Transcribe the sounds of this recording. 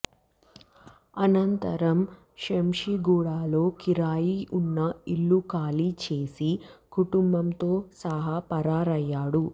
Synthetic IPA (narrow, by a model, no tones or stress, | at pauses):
ɐnɐnt̪ɐɾɐm | ʃemʂiɡuːɽaːlo̞ːkiɾaːjiunːɐilːukaːlit͡ʃeːsikuʈumbɐmt̪o̞ːsɐɦaːpɐɾaːɾɐjːaːɽu